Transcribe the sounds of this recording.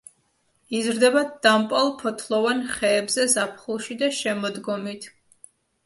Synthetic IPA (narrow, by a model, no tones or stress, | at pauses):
izɾd̪ɛbad̪̚d̪ampʼalˠpʰɔt̪ʰlˠɔvanχɛːbzɛzapʰχulˠʃid̪aʃɛmɔd̪ɡɔmit̪ʰ